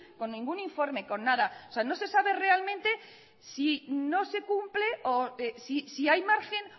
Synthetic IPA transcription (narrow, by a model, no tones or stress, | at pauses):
ko̞nːĩŋɡuniɱfo̞ɾme̞ko̞nːaðaoseano̞se̞saβe̞re̞almẽnt̪e̞ | sino̞se̞kumple̞ʔoesisiajmaɾxe̞n